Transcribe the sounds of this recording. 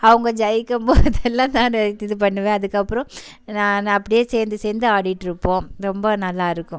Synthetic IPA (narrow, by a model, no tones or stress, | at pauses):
ɐʋɐŋɡɐd͡ʒɐjɪkːɐmboːðɛlːãːnaːnɛt̪ːɪðɯp̬ɐɳːɯʋẽːɐðɯkːɐpːɯɾɔ̃ | nãːnɐpːɐɽɪjeːseːɾnd̪ɯseːɾnd̪ɯaːɽɪʈːɪɾɯpːõːɾɔmbɐnɐlːaːɪɾɯkːʊ̃